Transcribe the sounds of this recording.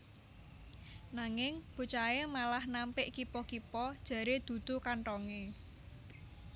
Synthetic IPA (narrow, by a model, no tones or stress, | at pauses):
naŋɪŋb̥ṳt͡ʃaemalahnampɪʔkipɔkipɔd̥ʒ̥a̤ɾed̪̥ṳd̪̥o̤kaɳʈɔŋe